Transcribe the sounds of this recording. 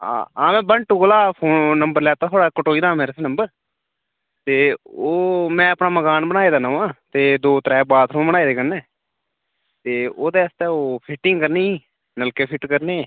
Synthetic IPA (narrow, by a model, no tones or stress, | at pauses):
a̰ːa̰ːmɛ̃ːbəɳʈuːkolaːpʰoːnːəmbəɾlɛːt̪aːt̪ʰoːɽaːkəʈoːiːd̪aːmeːɾeːsenəmbəɾ | t̪eːoːmɛ̃ːəpnãːməkaːnbənaːiːd̪aːnəʋãːt̪eːd̪oːt̪ɾɛːbaːd̪ʰõːnbənaːiːd̪eːkənnẽː | t̪eːoːd̪eːəst̪ɛːoːpʰɪʈɪŋɡkəɾneː | nəlkeːpʰɪʈkəɾneː